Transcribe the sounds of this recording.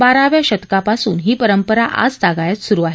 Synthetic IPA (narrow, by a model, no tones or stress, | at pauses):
baɾaʋjaɕət̪kapasṵːnɦiːpəɾəmpəɾaʔa̰d͡zd͡zaɡajat̪suɾuaɦe